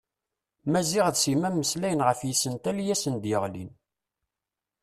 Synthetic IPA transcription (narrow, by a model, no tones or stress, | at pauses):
mæziʁðsimæmːəslæjənʁəfjisənt̪æljæsənd̪jəʁlḭn